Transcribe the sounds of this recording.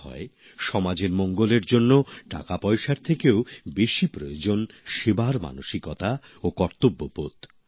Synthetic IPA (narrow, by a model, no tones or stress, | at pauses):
ɦɔ̰e | ʃɔmad͡ʑeɾmɔŋɡoleɾd͡ʑonːoʈa̰kapɔjʃaɾt̪ʰekeobeʃipɾojod͡ʑonʃebaɾma̰noʃikɔt̪a | okɔɾt̪obːopot̪